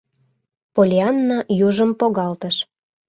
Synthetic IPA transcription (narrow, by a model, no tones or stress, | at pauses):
polʲiɑnːɑjuʒəmpoɣɑlt̪əʃ